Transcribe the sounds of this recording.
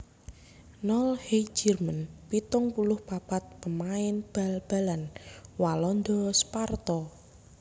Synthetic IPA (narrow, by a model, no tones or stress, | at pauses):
nɔlhid͡ʒərmənpit̪ʊŋpulʊhpapat̪̚pəmaɪnb̥alb̥a̤lanwalɔnd̪ɔspart̪ɔ